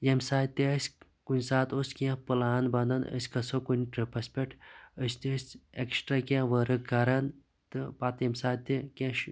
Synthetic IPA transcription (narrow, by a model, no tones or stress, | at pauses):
jemsaːt̪ːiɐsʲ | kunʲsaːt̪oskiãpɨlaːnbɐnd̪ɐnə̰sʲkɐsokunʲʈɾɨpɐspʲeʈʰəst̪iəseksʈɾakʲãʋəɾɨkaɾɐn | t̪ɨpaːt̪jemsaːt̪ːikʲãʃ